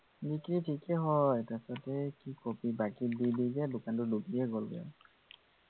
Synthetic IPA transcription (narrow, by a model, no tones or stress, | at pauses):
dikɹitʰikɛɦɔjtasɔtɛkikopibakididizɛdʊkantʊduɡiɛɡolɡɔ̰